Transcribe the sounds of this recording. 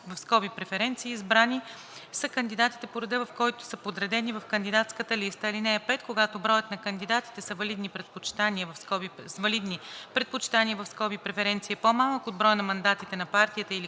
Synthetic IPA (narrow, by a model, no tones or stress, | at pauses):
vɐfskɔbipɾɛfɛɾɛnt̪siːzbɾani | səkɐnd̪id̪at̪i̥t̪ɛpoɾɛd̪ɛvɐfkɔjt̪ʊ̥səpod̪ɾɛd̪ɛnivɐfkɐnd̪id̪at̪skət̪əlist̪əilinɛɛpɛt̪koɡat̪obɾɔjət̪nɐkənd̪id̪at̪i̥t̪ɛsəvɐlid̪nipɾɛpot͡ʃi̥t̪aniəvɐfskɔbisvɐlid̪nipɾɛt̪̚pot͡ʃi̥t̪aniəvɐfskɔbipɾɛfɛɾɛnt̪siɛpomalˠəkod̪bɾɔjənɐmɐnd̪at̪it̪ɛnɐpaɾt̪iət̪əili